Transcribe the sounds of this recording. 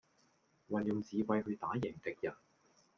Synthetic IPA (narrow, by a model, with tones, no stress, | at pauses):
wɐ˨˩njʊ˨ŋt͡siː˨˧wɐ˧jɦɵ˧ɥt̪aː˨˥jɪ˨˩ŋt̪ɪ˨k̚jɐ˨˩n